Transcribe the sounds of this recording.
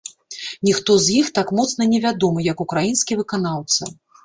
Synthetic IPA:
nʲixt̪ɔzʲjixt̪akmɔt̪snɐnʲɛvʲad̪ɔmɨjɐkukɾajinskʲivɨkanawt̪sɐ

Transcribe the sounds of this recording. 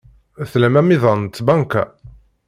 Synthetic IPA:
θlæmæmiðˤɑnt̪ːbɑŋkæ

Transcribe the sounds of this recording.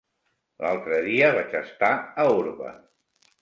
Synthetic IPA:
lalˠt̪ɾəðiəβat͡ʃəst̪aəuɾβə̰

